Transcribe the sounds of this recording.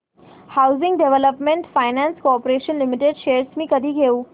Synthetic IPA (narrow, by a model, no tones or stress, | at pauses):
hawzɪ̃ŋɡɖeʋeləpmẽɳʈfajnanskopoɾeʃənlimiʈeɖɕeəɾsmiːkəd̪ʱiːɡʱeuː